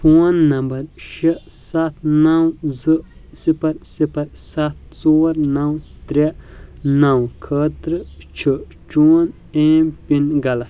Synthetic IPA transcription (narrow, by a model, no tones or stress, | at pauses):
pʰonːɐmbɐɾʃi | sat̪ʰnɐwzɨsipɐɾsipɐɾsat̪̚t͡soːɾnɐwt̪ɾʲenɐwkʰɐt̪ɾɨt͡ʃʰi | t͡ʃun | ẽːmpinɡɐlɐ